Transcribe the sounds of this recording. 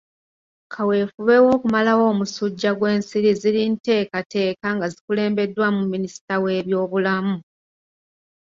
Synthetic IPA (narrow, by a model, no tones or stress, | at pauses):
kʰawe̞ːfuβe̞wo̞ːkumalawo̞ːmusuɟːaɡwe̞ːnsiɾizilinte̞ːkate̞ːkaŋɡazikule̞ːmbe̞dːwamumːinisi̥tawe̞ːβjo̞ːβulamu